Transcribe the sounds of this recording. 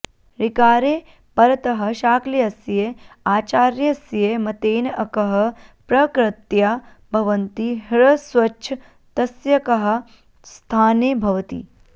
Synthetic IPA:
ɾikaːɾeː | pɐɾɐt̪ɐɦɐ̆ʃaːkliɐsjeaːt͡ʃaːɾjɐsjemɐt̪eːnɐkɐɦɐpɾɐkɾɐt̪jɐ | bʱɐʋɐnt̪iɦɭɐsʋɐʃʰɐ | t̪ɐsjɐkɐɦɐ̆ | st̪ʰaːneːbʱɐʋɐt̪ḭː

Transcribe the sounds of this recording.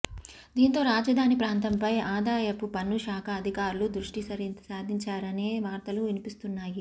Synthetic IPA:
d̪iːnt̪o̞ːɾaːd͡ʒɐd̪ʱaːnipɾaːnt̪ɐmpɐjaːd̪ʱaːjɐpupɐnːuʃaːkʰɐːd̪ʱikaːɾulud̪ɾuʂʈisɐsaːd̪ʱiɲt͡ʃaːɾɐneːʋaːɾt̪ɐluʋinipist̪unːaːji

